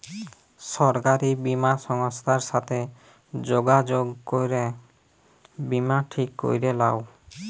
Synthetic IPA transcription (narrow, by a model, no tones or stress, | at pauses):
ʃɔɾkaɾibimaʃɔŋost̪ʰaɾʃat̪ʰe | d͡ʑoɡad͡ʑoɡkojɾe | bimaʈʰikːo̰jɾelao